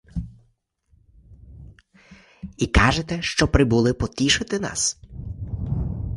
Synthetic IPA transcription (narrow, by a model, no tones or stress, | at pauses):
ikɑʒet̪ɛʃt͡ʃɔpɾɪbulˠɪpɔt̪ʲiʃɪt̪ɪnɑ̰s